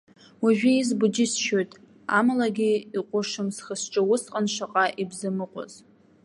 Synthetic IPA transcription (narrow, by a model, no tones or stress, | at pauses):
waʒᶣiizbʊd͡ʒɪsʃojtʼ | a̰malaɡʲiiqʷʼʊʂɨmsχəsʈ͡ʂʼɨwʊsqʼanʃʷaqʼaʔibzɨmɨqʷʼo̰z̥